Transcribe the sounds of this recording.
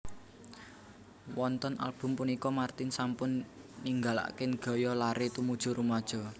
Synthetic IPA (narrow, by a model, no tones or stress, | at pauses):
wɔnt̪ɔna̰lb̥ʊ̤mpunikɔmart̪ɪnsampʊnːiŋɡa̤la̰ʔkɪnɡ̥ɔ̤jɔlaɾet̪umud̥ʒ̥ʊ̤ɾumad̥ʒ̥ɔ̤